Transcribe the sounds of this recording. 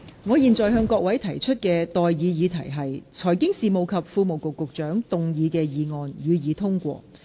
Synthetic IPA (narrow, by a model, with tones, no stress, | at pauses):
ŋɔː˨˧jiː˨nt͡sɔː˨jɦœː˧ŋkɔː˧k̚wɐ˨˥jt̪ʰɐ˨˩jt͡ʃʰɵ˥t̚kɛː˧t̪ɔː˨jjiː˨˧jiː˨˧t̪ʰɐ˨˩jɦɐ˨jt͡sʰɔː˨˩jkɪ˥ŋsiː˨mo˨˩wkʰɐ˨p̚fuː˧mo˨˩wkʊ˨kːʊ˨k̚t͡ʃœː˨˥ŋt̪ʊ˨ŋjiː˨˧kɛː˧jiː˨˧ŋɔː˨˧njyː˨˧jiː˨˧t̪ʰʊ˥ŋkʷɔ̰ː˧